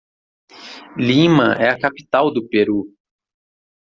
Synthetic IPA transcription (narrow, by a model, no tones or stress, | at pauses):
limɐʔɛɐkapi̥t̪awd̪ʊpeɾu